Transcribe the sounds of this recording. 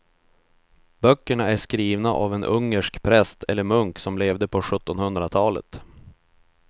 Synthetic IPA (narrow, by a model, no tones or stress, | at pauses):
bœkːəɳaæʂkɾiːvnaʔa̰vɛnʔɵŋːəʂkpʰɾɛst̪ʰɛlːəɾmɵŋksɔmleːvd̪əpʰɔɧɵt̪ːɔnhɵnd̪ɾat̪ʰɑːlə̰t̪